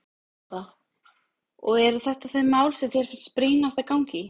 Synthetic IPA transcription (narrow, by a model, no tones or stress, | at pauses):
a | ɔɣɛɾθɛht̪aθemːaːwlsɛmθjɛɾ̥fɪnspɾiːnast̪akawŋcɪ